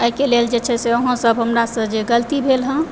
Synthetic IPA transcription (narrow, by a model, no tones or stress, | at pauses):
əikeleld͡ʒet͡ʃʰɛseoɦə̃səbʱɦəmɾasə̃d͡ʒeɡəlt̪ibʱelɦə̃